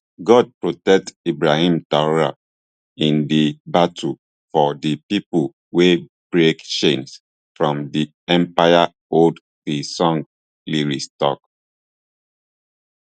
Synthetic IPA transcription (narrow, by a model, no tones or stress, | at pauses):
ɡɔd̚pɹotɛk̚tibɹahĩmtaɹa̰ | ĩndibatʰu | fɔdipipul | web̥ɹekʃẽns | fɹɔ̃mdi | ɛ̃mpaja | od | tisɔ̃ŋ | liɹistɔ̰k̚